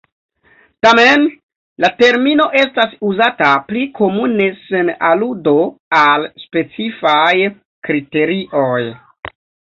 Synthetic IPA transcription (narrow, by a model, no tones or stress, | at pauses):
tamen | late̞ɾmino̞ʔe̞stasuzataplikʰo̞mune̞se̞naludo̞alspe̞t͡sifaj | kɾite̞ɾiʔoj